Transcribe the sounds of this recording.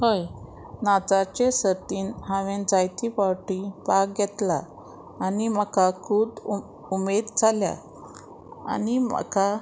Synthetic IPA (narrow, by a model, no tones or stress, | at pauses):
həj | nad͡zat͡ɕesət̪iːnɦaʋend͡zajt̪ipawʈipak̚ɡɛt̪laː | niməkakʰuːd̪ | umed̪d͡zalja̰ | a̰nimə̰ka